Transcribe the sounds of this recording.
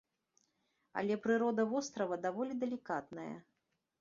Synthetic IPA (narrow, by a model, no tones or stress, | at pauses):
ɐ̰lʲɛpɾɨɾɔd̪ɐvɔst̪ɾɐvɐd̪avɔlʲid̪ɐlʲikat̪nɐjɐ̰